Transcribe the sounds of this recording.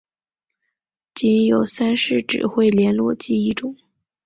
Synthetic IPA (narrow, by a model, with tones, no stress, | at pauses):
t͡ɕi˧˥njo˨˩ʊsa˥nʂɻ̩˥˩ʈ͡ʂɻ̩̰˨˩xwe˥˩ɪljɛ˧˥nlwɔ˥˩t͡ɕi˥i˥˩ʈ͡ʂʊ˨˩˦ŋ